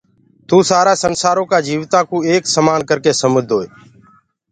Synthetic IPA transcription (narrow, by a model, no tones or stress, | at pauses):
t̪ũːsaːɾaːsənsaːɾoːkaːd͡ʒiːʋt̪ãːkʰũːeːksəmaːnkəɾkeːsəməd̪ʱoːeː